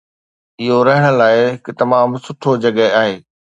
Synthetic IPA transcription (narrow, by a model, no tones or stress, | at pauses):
ɪɦoɾɐɦəɽ̃ə̆laːɪɪkɪt̪ɐmaːmsʊʈʰod͡ʑɐɠəaːɦeː